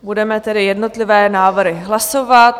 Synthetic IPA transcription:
budɛmɛt̪ɛdɪjɛdno̞t̪lɪvɛːnaːvrɾɪɦlasovat̪

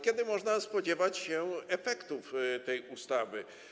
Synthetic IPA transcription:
kʲɛd̪ɘmɔʐnaspɔd͡ʑɛvat͡ɕɕɛɛfɛkt̪uft̪ɛjust̪avɘ

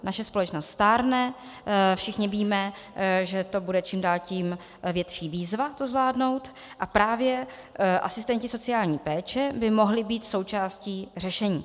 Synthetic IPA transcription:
naʃɛspo̞lɛt͡ʃnost̪st̪aːɾnɛ | fʃɪxɲɪviːmɛ | ʒɛt̪o̞budɛt͡ʃiːmdaːlciːm | vjɛt̪ʃiːviːzvat̪ozvlaːdno̞wt̪ | ʔapɾaːvjɛ | ʔasɪst̪ɛɲcɪso̞t͡sɪaːlɲiːpɛːt͡ʃɛbɪmo̞ɦlɪbiːt̪so̞wt͡ʃaːsciːr̝ɛʃɛɲiː

